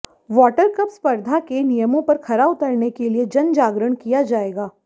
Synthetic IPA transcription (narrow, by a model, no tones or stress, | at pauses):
ʋɔːʈəɾkɐpspəɾd̪ʱakenijəmõpɐɾkʰɐɾaʊt̪əɾnekelied͡ʒɐnd͡ʒaːɡɾəɽ̃kijad͡ʒaːeːɡaː